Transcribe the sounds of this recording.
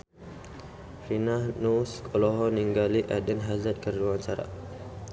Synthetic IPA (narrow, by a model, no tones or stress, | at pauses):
finahnuskʰɔlɔɦɔniŋɡaliʔadənɦazat̪̚kərd͡ʒuaɲt͡ʃaɾa̰